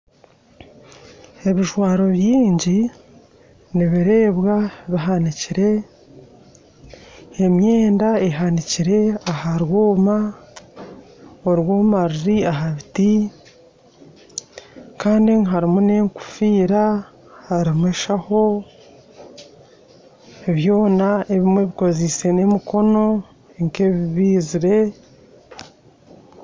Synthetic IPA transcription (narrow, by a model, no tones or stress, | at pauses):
e̞βiʒwaːɾo̞βjiːɲɟi | niβiɾe̞ːβwaβiɦaniciɾe̞ | e̞mje̞ːndae̞ɦaniciɾe̞ahaɾwoːma | oɾwoːmaɾiɾiaɦaβiti | kaːndiŋɦaɾimune̞ŋku̥fiːɾa | haɾimweːʃaho̞ | eβjo̞ːnae̞βimwe̞βiko̞zise̞ne̞muko̞no̞ | eŋke̞βiβiːziɾe̞